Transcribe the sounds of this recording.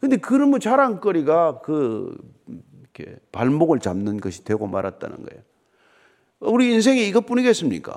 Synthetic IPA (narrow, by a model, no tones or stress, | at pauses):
kɯnde̞kɯɾɯmut͡ɕaɾaŋk͈ʌɾiɡakɯ | ikʰe̞̰paɭmboɡɯɭt͡ɕa̰mnɯnɡʌɕʰi̥dwe̞ɡoma̰ɾat̚t͈a̰nɯ̰nɡʌ̰ejo | uɾiːns̬ʰe̞ŋiːɡʌp͈uɲiɡe̞s͈ɯmɲḭk͈a̰